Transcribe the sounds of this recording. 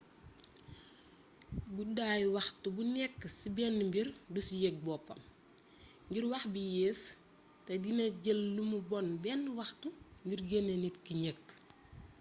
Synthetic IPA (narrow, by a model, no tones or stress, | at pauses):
budaːjwɐxtubunɛkːsibɛːnːmbirdusjek̚bɔːpːɐ̰m | ɲɟirwɐxbijeːs | tɛdinɐɟəlːumubɔnbɛːnːwɐxtuɲɟirɡenenitkiɲəkː